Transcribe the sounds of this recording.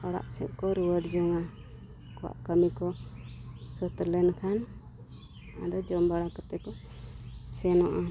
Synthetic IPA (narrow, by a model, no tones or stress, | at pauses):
ɔɽa̰ʔt͡ʃɛʔ̚kɔɾuwəʈd͡ʒɔŋa | kɔwa̰ʔkəmikɔ | sət̪lɛnkʰan | a̰d̪ɔd͡ʒɔmbaɽakat̪ɛkɔ | sɛnɔʔa